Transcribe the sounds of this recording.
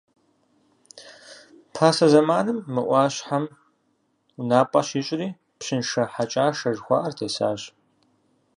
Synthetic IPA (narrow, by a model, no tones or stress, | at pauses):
pʰaːsɐzɐmaːnɨmːɨʔʷɑːɕħam | unaːpʼɐɕiːɕʼɪɾiː | pɕɪnʂɐħat͡ʃʼaːʂɐʒxʷɑ̰ːʔɐrtʰeːsa̰ːɕ